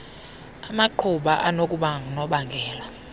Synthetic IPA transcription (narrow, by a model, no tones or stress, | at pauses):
amaǃʰuɓaʔanokʼuɓanɔɓaŋɡʱɛːla